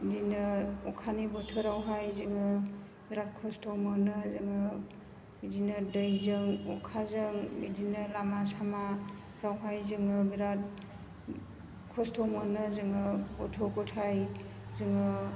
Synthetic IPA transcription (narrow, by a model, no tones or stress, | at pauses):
dinɯɔkʰanibɔtʰɯɾawɦajzɯŋɯ | biɾat̚kʰɔstʰomɔnɯzɯŋɯ | bidinɯdɯjzɯŋɔ̰kʰazɯŋbḭdinɯlamasama | ɾawɦajzɯŋɯbiɾat̚ | kʰɔstʰɔmɔnɯzɯŋɯbɔtʰokɔtʰaj | zɯŋɯ